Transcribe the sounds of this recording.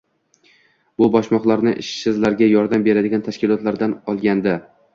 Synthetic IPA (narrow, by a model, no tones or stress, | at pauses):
b̥ʊbɒʃmɒχlˠaɾnɪʔɪʃːɪzlaɾɡʲajɒɾd̪ambe̞ɾad̪ɪɡʲant̪ʰaʃkʲɪlˠɒt̪laɾd̪anɒlˠɡʲand̪ɪ